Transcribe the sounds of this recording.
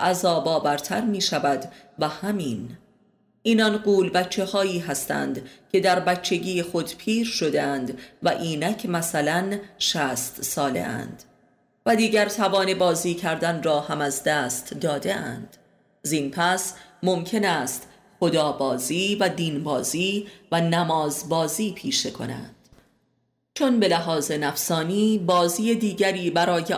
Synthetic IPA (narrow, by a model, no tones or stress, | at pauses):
ʔæzɒːbɒːvæɾt̪ʰæɾmiːʃævæd̪ | væhæmiːn | ʔiːnɒnɢuːlbæt͡ʃʰːe̞hɒːiːɦæst̪æ̰ːnd̪cʲʰe̞d̪æɾbæt͡ʃʰːe̞ɟiːjexo̞d̪pʰiːɾʃo̞d̪eænd̪væʔiːnæcʰmæsælænʃæːst̪sɒːle̞̰ʔæ̰nd̪̥ | væd̪iːɟæɾt̪ʰævɒːne̞bɒːziːcʰæɾd̪ænrɒːhæmæzd̪æːst̪ʰd̪ɒːd̪e̞ʔæ̰nd̪̥ | zinpʰæsmo̞mcʰe̞næːst̪ | xo̞d̪ɒːbɒːziːvæd̪iːnbɒːziːvænæmɒːzbɒːziːpʰiːʃekʰo̞̰næ̰nd̪̥ | t͡ʃʰo̞nbe̞læɦɒːze̞næfsɒːniːbɒːziːed̪iːɟæɾiːbæɾɒːje